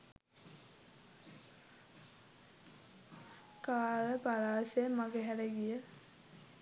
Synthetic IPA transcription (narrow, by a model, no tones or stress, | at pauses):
kaːləpaɾaːsemaɡeɦɛɾeɡijə